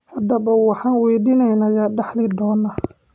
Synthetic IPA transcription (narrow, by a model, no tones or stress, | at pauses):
hɐd̪ɐβɐwɑħɑːnwɛjd̪iːnɛjnɐjaːɖɛħlɪd̪ɔːnːaː